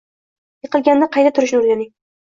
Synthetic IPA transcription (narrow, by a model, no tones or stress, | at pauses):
jɨqɨlˠɡʲand̪aqʰɑjt̪at̪ʰʊɾɪʃ̬nʊɾɡʲanɪŋ